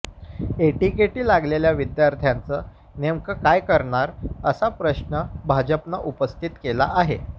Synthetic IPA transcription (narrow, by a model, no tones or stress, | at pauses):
eʈikeʈiːlaɡleljaʋid̪jaɾt̪ʰjãnt͡sə | nemkəkajkəɾɳaɾəsapɾəɕɳəbʱad͡ʑəpnaʔupəst̪ʰit̪kela̰ʔaɦḛ